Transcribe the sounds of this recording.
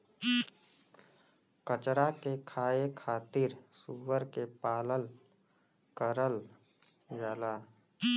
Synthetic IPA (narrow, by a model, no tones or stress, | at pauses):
kət͡ʃɾakekʰaːekʰaːt̪ɪɾsuːwəɾkepaːləl | kəɾəl | d͡ʒaːlaː